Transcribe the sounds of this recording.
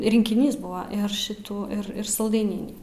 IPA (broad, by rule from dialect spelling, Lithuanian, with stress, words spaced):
rʲɪŋʲkʲɪˈnʲiːs ˈbʊʋɐ ɪr ˈʃʲɪtuː ɪr ˈɪr sɐlˠˈdɐɪnʲɪnʲiː